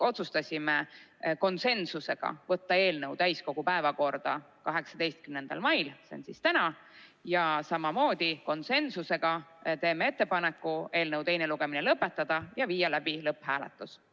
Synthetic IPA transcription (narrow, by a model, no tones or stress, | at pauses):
o̞t̪sust̪ɑsʲimeko̞nse̞nsuse̞ɡ̥ɑ̰vɤt̪ːɑe̞ːlnɤwt̪æjsko̞ɡ̥upæe̞vɑko̞rd̪̥ɑ | kɑɦe̞ksɑd̪e̞jst̪̚kymne̞nd̪̥ɑ̰lmɑjlseo̰nsist̪ænɑ | jɑsɑmɑmo̞ːd̪̥iko̞nse̞nsuse̞ɡ̥ɑt̪e̞ːmee̞t̪ːe̞pɑnekːˑue̞ːlnɤwt̪e̞jneluɡ̥e̞minelɤpːˑe̞t̪ːˑɑd̪̥ɑjɑviːjɑlæb̥ilɤpːhæːlḛt̪ːˑus